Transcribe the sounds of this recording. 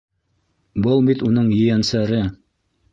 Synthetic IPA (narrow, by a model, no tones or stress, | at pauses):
bɤlˠbit̪unɤɴjɘ̆jænsæɾɘ